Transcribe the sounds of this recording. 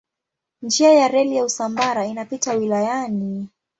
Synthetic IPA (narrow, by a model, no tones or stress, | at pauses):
nd͡ʒiajaɾɛlijausambaɾainapitawilajani